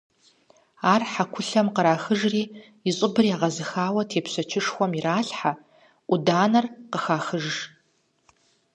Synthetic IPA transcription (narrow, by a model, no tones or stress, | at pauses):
aːrħakʷʰʊɬɐmqəɾaːxɨʒriː | iɕʼɪbɨrjaːʁɐzɨxaːwɐtʰeːpʰɕʷɐt͡ʃʰɪʂxʷɔmiraːɬħa | ʔʷʊdaːnɐrqəxaːxɨʒʒ